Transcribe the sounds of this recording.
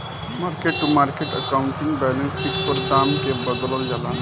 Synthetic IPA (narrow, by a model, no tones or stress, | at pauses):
maɾkeʈːumaɾkeʈəkauɳʈiŋɡbɛlẽnsikpəɾd̪amkebəd̪ləld͡ʒalan